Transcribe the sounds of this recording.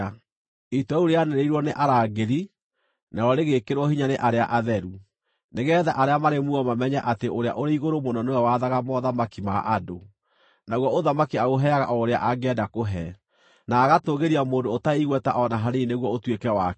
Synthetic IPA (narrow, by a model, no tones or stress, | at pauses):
itwɛuɾeaneɾeiɾwɔneʔaɾaːɡeɾi | naɾɔɾeɣekeɾwɔhiɲaneʔaɾea̰ʔaðɛɾu | neɣɛːðaʔaɾeamaɾemuɔmamɛɲɛʔateʔoɾea̰ʔoɾeiɣoɾomonɔnewɛwaðaɣamɔðamakima̰ʔado | naɣwɔoðamakiaoɦɛaɣaʔɔoɾea̰ʔaɡɛdakoɦɛ | naːɣatoɣeɾiamoːndoːtaiɣwɛtaʔɔnaɦaɾeineɣwɔotwekɛwa